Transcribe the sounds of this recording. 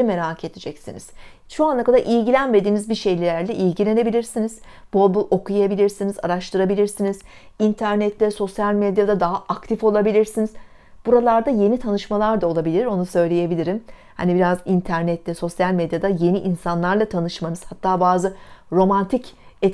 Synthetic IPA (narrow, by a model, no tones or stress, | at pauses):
me̞ɾaːkʰe̞d̪ed͡ʒɛcsinḭz̥ | ʃoanˠakad̪aʔilʲɟilʲænme̞d̪iːnizbiʃe̞jlʲilʲæɾlʲɛʔilʲɟilʲe̞ne̞bilʲiɾsiniz̥bolˠbulˠʔo̞kʰujabilʲiɾsiniza̰ɾaʃt̪ʰɯɾabilʲiɾsiniz̥ | int̪ʰæɾnɛt̪ʰlʲɛso̞sjalʲmed̪jad̪ad̪aɦaʔakt̪ʰifo̞lˠabilʲiɾsiniz | b̥uɾalˠaɾd̪aje̞nit̪ʰanɯʃmalˠaɾd̪ao̞lˠabilʲiɾo̞nusø̞jlʲeje̞bilʲiɾim | ha̰nibiɾazint̪ʰæɾnɛt̪ʰlʲɛso̞sjalʲmed̪jad̪aje̞niʔinsanlˠaɾlˠat̪ʰanɯʃmanɯz̥hat̪ʰːaːbaːzɯɾo̞mant̪ʰicɛt̪